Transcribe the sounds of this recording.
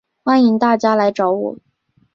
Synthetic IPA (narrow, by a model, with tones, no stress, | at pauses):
xwa˥ni˧˥ŋt̪a˥˩t͡ɕja˥la˧˥ɪʈ͡ʂɑ˧˥ʊwɔ̰˨˩˦